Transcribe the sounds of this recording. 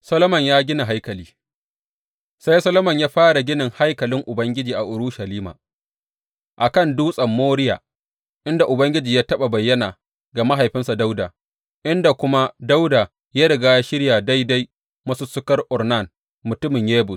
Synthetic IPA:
sɐ˦lo˦mɐ˨ɲjaː˦ɡʲɪ˦na˨ɦa˦jkɐ˨liː˦ | sa˦jsɐ˦lo˦mɐ˨ɲjaː˦ɸaː˦ɽa˨ɡʲɪ˦nɪ˨ŋha˦jkɐ˨lɪ˦ŋʔʊ˨bɐ˦ŋɡʲɪ˦d͡ʒiː˨ʔa˨ʔʊ˨ɾʊ˦ʃa˨liː˦ma̰ː˨ | ʔa˨kɐ˦˨nduː˦sʼɐ˨mːoː˦ɽɪ˦ja̰ː˨ | ʔɪ˦nda˨ʔʊ˨bɐ˦ŋɡʲɪ˦d͡ʒiː˨jaː˦tɐ˦ɓa˨bɐ˨jːɐ˦naː˨ | ɡa˨ma˦ɦa˨jɸɪ˦nsa˨da˦wda˨ | ʔɪ˦nda˨kʷʊ˦ma˦da˦wda˨ | jaː˦ɽɐ˨ɡaː˦ja˦ʃɪ˦ɽjaː˨da˦jda˦j | mɐ˦suː˦sʊ˦kɐ˦rʔʊ˨rna˦˨n | mʊ˨tʊ˦mɪ˨ɲjeː˦bʊ˨s

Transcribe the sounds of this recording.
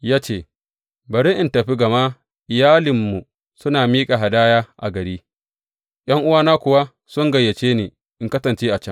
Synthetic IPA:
jaː˦t͡ʃeː˦˨ | bɐ˨ɾɪ˦ŋʔɪ˨ntɐ˨ɸi˦ɡɐ˨maː˦ | ʔɪ˨jaː˦lɪ˨mːu˨ | sʊ˦naː˨miː˦kʼa˨ɦa˨daː˦jaː˦ʔa̰˨ɡɐ˨ɽiː˦ | j̰ɐ˦ŋʔʊ˦waː˦naː˦kʷʊ˨wa˦ | sʊ˦ŋɡɐ˨jːɐ˨t͡ʃeː˦neː˨ | ʔɪ˦ŋkɐ˦sɐ˨nt͡ʃeː˦ʔa˨t͡ʃɐ˦ŋ

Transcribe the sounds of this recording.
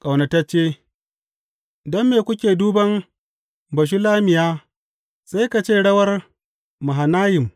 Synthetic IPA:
kʼa˨wnɐ˨ta˦t͡ʃːeː˦ | dɐ˦mːeː˨kʷʊ˦kʲeː˨duː˦bɐ˦m | bɐ˨ʃ̬i˦laː˦mɪ˨jaː˦ | sa˦jka˨t͡ʃeː˦˨ɽɐ˦wɐ˦r | mʊ˨ɦa˨naː˦jɪ˨m

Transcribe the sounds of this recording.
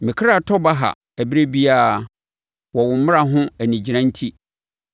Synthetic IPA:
mɪ̃˨kʰɾa˦˨tʰɔ˦ba˦ɦa̰˨ | æ˨bɾe˦bi˦a˦˨ | wɔ˨wʊ̃˨m̩˦mɪ̃˦a˨ɦʊ̃˦æ˨nĩ˨d͡ʑi˨ɾã˦n̩˦tʰi˦

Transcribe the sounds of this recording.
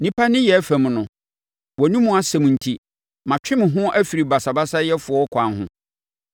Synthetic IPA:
nĩ˦pʰa˦nɪ̃˦jɛ˨˦fæ̃˨m˨nʊ̃˨ | wɔ˨nũ˦mũ˨˦a˨sɛ˨m̃˨n̩˨tʰi˦ | mã˨t͡ɕᶣɪ̃˦mɪ̃˨ɦʊ̃˦ʔæ˦fi˨ɾi˨ba˨sa˨ba˦sa˦jɛ˦fʊ˨ɔ˦kʰʷã˨nɦʊ̰̃˦

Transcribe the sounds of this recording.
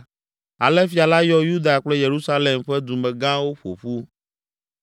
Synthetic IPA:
a̰˨lɛ˦fi˨a˨la˦jɔ˦ju˦d̪a˨k͡plɛ˦je˨ɾu˦sa˦le˨mɸɛ˦d̪u˨mɛ̃˨ɡã˦wo˦ɸo̰˨ɸu˦

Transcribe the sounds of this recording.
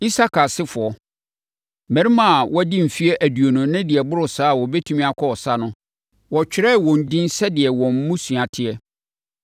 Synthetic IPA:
i˦sa˦kʰa˨sɪ˦fʊ˨ɔ˨ | mæ̃˨ɾi˦mã˦˨wɔ˦dɪ̃˦m̩˨fi˦ɛ˦ʔæ˨du˨o˨nʊ̃˨nɪ̃˦dɪ˨ɛ˨bʊ˦ɾʊ˨saː˦˨wɔ˨bɛ˦tʰu˦mĩ˦a˨kʰɔ˦ɔ˨sa˦nʊ̃˦ | wɔ˨t͡ɕᶣɪ˦ɾɛ˦˨wɔ̃˨n̩˨dɪ̃˦n˦sɛ˦dɪ˨ɛ˨wɔ̃˨m̩˦mũ˦su˨a˨tʰɪ˦ɛ˦

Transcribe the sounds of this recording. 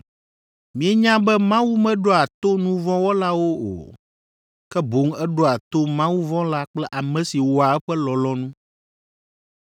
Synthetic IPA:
mĩ˨˦ɛ˦ɲã˦bɛ˦mã˦wu˦mɛ̃˦ɖo˦a˨t̪o˦nũ˦vɔ̃˦wo˦la˦wo˦o̰˨ | kɛ˦bo˨˦ŋɛ˦ɖo˦a˨t̪o˦mã˦wu˦vɔ̃˦la˦k͡plɛ˦ʔa˨mɛ̃˨si˨wo˨a˨ɛ˦ɸɛ˦lɔ˨lɔ˦nũ˦

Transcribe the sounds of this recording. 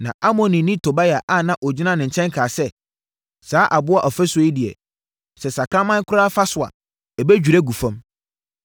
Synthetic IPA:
nã˨ʔa˦mɔ̃˨nĩ˨nĩ˦tʰo˨ba˦ja˨ʔa˦˨nã˦ʔɔ˨d͡ʑᶣi˦nã˦nɪ̃˨ɲ̩˨t͡ɕʰɛ̃˦ŋkʰaː˨sɛ˦ | saː˨˦ʔa˨bʊ˦a˦ʔɔ˨fɛ˦sɔ˨i˦dɪ˨ɛ̰˨ | sɛ˨sa˨kʰã˦mã˦ŋ˦kʰʊ˦ɾaː˦fa˦sʊ˨a̰˨ | ɛ˨bæ˦d͡ʑᶣu˨ɾɛ˦ɡu˨fã˦m

